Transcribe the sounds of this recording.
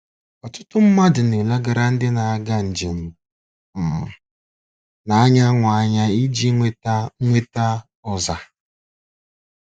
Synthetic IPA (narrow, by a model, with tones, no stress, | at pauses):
ɔ˨tʊ˦tʊ˦m̩˦ma˦dʊ˨ne˨la˦ɡa˨ɾa˨n̩˦dɪ˦na˨a˦ɡa˦n̩˨d͡ʒe˨m̩˨ | m̩˨ | na˨a˦ɲa˦ŋʷa˨a˦ɲa˦i˦d͡ʒi˦e˦ŋʷe˦ta˦ | ɔ˨za˨